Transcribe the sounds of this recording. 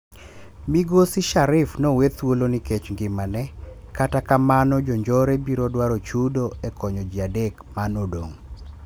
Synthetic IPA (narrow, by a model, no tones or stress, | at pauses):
miɡosiʃaɾɪfnɔwet̪woloniket͡ʃŋɡɪmanɛkatakamanɔd͡ʒoɲd͡ʒɔɾebiɾodwaɾɔt͡ʃudoɛkʰɔɲɔd͡ʒiadekmanodoŋ